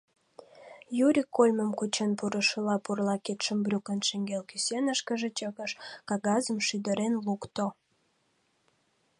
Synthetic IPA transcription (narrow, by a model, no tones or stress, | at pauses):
juɾʲikːolʲməmkut͡ɕənpuɾəʃəlɑpurlɑket̪ʃəmbrʲukənʃeŋɡelkysenəʃkəʒet͡ɕəɣəʃkɑɣɑzəmʃyd̪əɾenlukt̪o